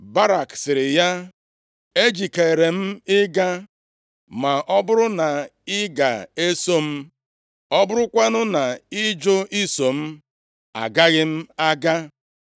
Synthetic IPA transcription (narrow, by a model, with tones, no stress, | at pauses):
ba˦ɾa˨ksɪ˨ɾɪ˨ja˦ | e˦d͡ʒi˨ke˨ɾe˨m̩˦ɪ˦ɡa˦ | ma˨ʔɔ˦bʊ˦ɾʊ˦na˨ɪ˦ɡa˨e˦so˦m̩˦ | ɔ˦bʊ˦ɾʊ˦kʷa˦nʊ˦na˨ɪ˦d͡ʒʊ˦ʔi˦so˨m̩˦ | a̰˨ɡa˦ɣɪ˦m̩˦a˦ɡa˦